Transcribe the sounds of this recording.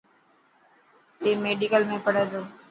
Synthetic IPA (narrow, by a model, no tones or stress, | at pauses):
eːmeːɖiːkəlmẽːpəɽẽːd̪oː